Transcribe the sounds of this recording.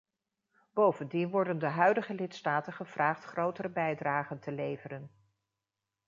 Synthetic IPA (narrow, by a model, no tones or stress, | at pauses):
b̥owvəndinʋɔɹdəndəɦœɥdəχəlɪtstaːtənχəv̥raːχtχrowtəɾəbɛjdraːχəntəlejvərən